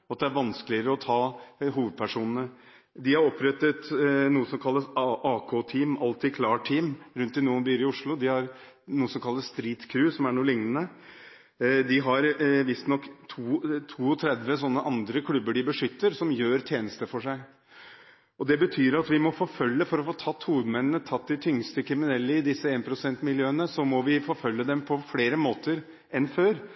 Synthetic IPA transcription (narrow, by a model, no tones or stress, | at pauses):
ɑt̪̚d̪ɛæɾʋɑnskəlɪəɾəɔt̪ʰɑːɦuːʋəd̪̚pʰæʂuːnənə | d̪ɪhɑɾɔpʰɾɛt̪ːət̪nuːəsɔmkʰɑlːəsɑʔɑːkʰoːt̪ʰiːmɑlt̪ʰɪkʰlɑːʈʰiːmɾʉnt̪ɪnuːənbyːɾɪʊʂlʊd̪ɪhɑɾ | nuːəsɔmkʰɑlːəsst̪ɾiːt̪kʰɾʉːsɔmæɳuːlɪŋnənə | d̪ɪɦɑɾʋɪst̪nɔkːt̪ʰuːt̪ʰuːɔt̪ʰɾɛd̪ʋəs̬ɔnːəʔɑnd̪ɾəkʰlʉbəɖɪbəʂʏt̪ːəɾsɔmjøːɾt̪ʰjeːnəst̪əfɔʂæɪ | ʔɔd̪ɛbət̪ʰyːɾɑt̪ʋɪmɔfoːfœlːəfɔɾɔfoːt̪ʰɑt̪ːhuːʋəd̪mɛnːənət̪ʰɑt̪ːd̪ɪt̪ʰʏŋst̪əkʰɾɪmɪnɛlːəɪd̪ɪsːəeːnpʰɾʊsɛnt̪mɪljøːənəsɔmɔʋɪfoːfœlːəd̪ɛmpʰɔfleːɾəmoːt̪əɾ | ʔɛnføːɾ